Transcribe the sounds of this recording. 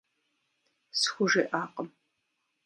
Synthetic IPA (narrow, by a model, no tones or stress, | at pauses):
sxʷʊʒeːʔaːqəm